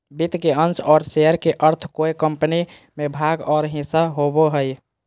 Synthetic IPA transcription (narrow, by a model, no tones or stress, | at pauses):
bit̪keənt͡ʃɔːɾsejəɾkeʔəɾt̪ʰkoekəmpəni | mebʱaɡɔːɾɦĩsaɦoboɦəj